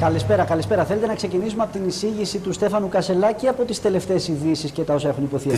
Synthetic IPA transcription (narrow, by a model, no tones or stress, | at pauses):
kɐlispe̞ɾɐkɐlispe̞ɾɐθelet̪e̞nɐkse̞cinisumeɐpo̞t̪inisiʝisit̪ust̪e̞fɐnukɐse̞lɐceɐpo̞t̪ist̪e̞le̞ft̪e̞ːsiðisisce̞t̪ɐo̞sɐe̞xunipo̞θi